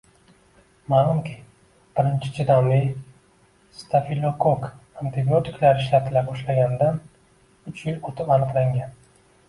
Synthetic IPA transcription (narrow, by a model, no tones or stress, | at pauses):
maːlˠumkʲʰi | b̥ɪɾɪnt͡ʃʰɪ̥t͡ʃʰɪd̪ɒmi | st̪ʰafilˠokʰokant̪ʰɪbiot̪ɪklaɾɪʃlat̪ʰɪlapbɒʃlaɡʲand̪an | ʊt͡ʃʰjɪlot̪ʰɪpanɨqlaŋɡʲan